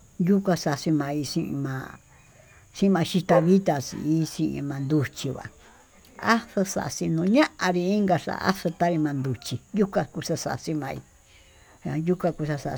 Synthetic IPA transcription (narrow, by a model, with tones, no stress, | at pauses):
ju˦kʷa˧sa˧˨˧si˧mã˧i˧ʂĩ˧ʔḭ̃˧mã˧ | sĩ˦ĩ˧mã˧ʃi˧t̪a˧βi˦t̪a˧sḭ˧i˦sĩ˧ʔḭ̃˧mã˧nd̪u˧t͡ʃi˧βa̰˨ | a˦sa˧sa̰˧ʔsi˧nũ˧ɲã˦ʔã˧ɾi˧i˦ŋɡa˧ʂa̰˧a̰˦ʂo˧t̪a˦ɾi˧mã˧nd̪u˨t͡ʃi˧ju˦kʷa˧ku˧ʂa˦˧sa˧ʔsi˧mã˧ḭ˧˨ | ju˦kã˧ku˧sa˧sa̰˧